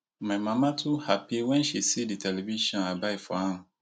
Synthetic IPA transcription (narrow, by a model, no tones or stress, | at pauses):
mãmãmãtʰʊhapʰiwɛ̃nɕisiditʰɛlɛviʃiɔ̃nabaɪfɔhã